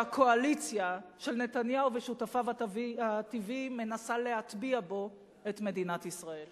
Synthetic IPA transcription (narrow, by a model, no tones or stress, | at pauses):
akʰo̞alit͡sjaʃe̞lne̞tanjauveʃutafavaativime̞nasale̞ɦat̪biabo̞ | etme̞dinatisʁae̞l